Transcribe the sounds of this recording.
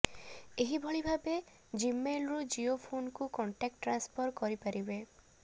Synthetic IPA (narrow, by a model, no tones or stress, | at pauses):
eɦibʱɔɭibʱabe | d͡ʒimelɾud͡ʒiopʰonkukɔɳʈak̚ʈːɾanspʰɔɾkɔɾipaɾibe